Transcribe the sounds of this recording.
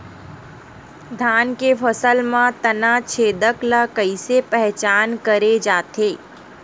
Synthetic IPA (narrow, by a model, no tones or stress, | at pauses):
d̪ʱaːnkefʰəsəlmãt̪ənat͡ʃʰeːd̪əklakəisepɛɦt͡ʃaːnkəɾed͡ʒaːt̪eː